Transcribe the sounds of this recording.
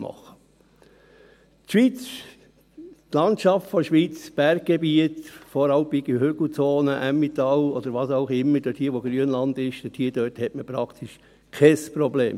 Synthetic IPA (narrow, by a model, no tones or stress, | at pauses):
mɑ̰χə | t̪ʃʋiːt͡s | t̪lɑntʃɑftfɔʃʋiːt͡sb̥æɾɡ̚ɡ̥ebiətfɔɾɑlmbiɡihʏɡl̩t͡soːnəʔæmːit̪ɑlɔd̥̪əɾʋɑsaʊχɪmːəɾd̥̪ødhiəʋɔɡ̥ɾyənlɑnd̪ɪʃdɛdhiəd̥̪øːthɛtməpɾɑkt̪ʰiʃ | kʰɛspɾɔbleːm